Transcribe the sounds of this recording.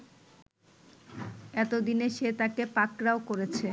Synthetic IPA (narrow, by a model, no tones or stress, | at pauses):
ɛt̪od̪ineʃet̪akepakɾaokoɾet͡ɕʰe